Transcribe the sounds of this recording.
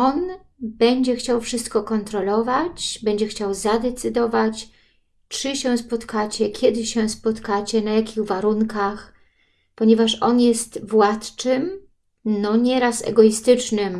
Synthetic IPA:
ɔn | bɛɲd͡ʑɛxt͡ɕawfʂɘst̪̚kɔkɔnt̪ɾɔlɔvat͡ɕbɛɲd͡ʑɛxt͡ɕawzad̪ɛt̪sɘd̪ɔvat͡ɕ | t͡ʂɘɕɛ̃spɔt̪kat͡ɕɛkʲʰɛd̪ɘɕɛ̃spɔt̪kat͡ɕɛnajakʲiɣvaɾuŋkax | pɔɲɛvaʂɔnjɛst̪vwat̪t͡ʂɘm | nɔɲɛɾasɛ̰ɡɔist̪ɘt͡ʂnɘm

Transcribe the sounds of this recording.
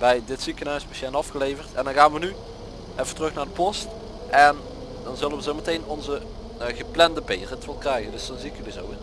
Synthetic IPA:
bɛjdɪtsikənœɥspeʃanɑfxəlejvərtɛ̰ndɑnɣaːnʋəny | ʔɛfə̥tərɵxnaːɹdəpɔst | ʔɛn | dɑnzɵlənʋəzowmətejnɔnzə | ɣəplɛndəbeːrətʋəlˠkrɛjɣəndɵsdɔnzikədəzo̰w

